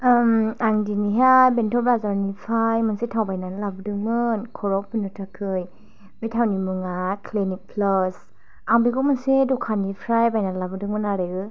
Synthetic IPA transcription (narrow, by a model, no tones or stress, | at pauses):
maŋdiniɦajbentʰɔbɾazaɾnipʰajmɯnsetʰawbajnalabɯdɯŋmɯnkʰɔɾɔpʰɯnɯtʰakʰɯj | metʰawnimɯŋakʰlenik̚pʰlɔs | aŋbiɡɔmɯnsedɔkʰanipʰɾajbajnalabɯdɯŋmɯnaɾeɡɯ